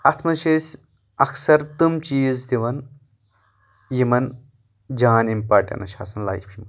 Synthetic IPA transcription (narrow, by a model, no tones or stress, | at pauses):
ɐt̪ʰmɐnʃesʲ | ɐksɐɾt̪umt͡ʃiːzd̪iʋɐn | jimɐn | d͡ʒaːnimpaːɾʈɐ̰nɐ̰ʃa̰ːsɐnla̰jfʰim